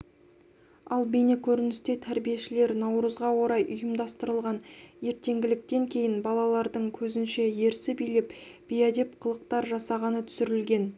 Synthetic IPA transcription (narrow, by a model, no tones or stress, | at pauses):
ɑlˠbene̞kʲʰɵɾɪnɪst̪e̞t̪ʰæɾbije̞ʃɪle̞ɾnɑwɾəzʁɑwo̞ɾɑjʔʊjəmd̪ɑst̪əɾəlˠʁɑnje̞ɾt̪e̞ŋɡʲɪlɪk̚t̪e̞ŋkʲʰe̞jɪnbɑlˠɑlˠɑɾd̪əɴkʲʰɵzɪnʃe̞je̞ɾsɪbijlepb̥ijad̪e̞pqʰəlˠəq̚t̪ɑɾʒɑsɑʁɑnət̪ʰʏ̥sɪɾɪlɡʲe̞n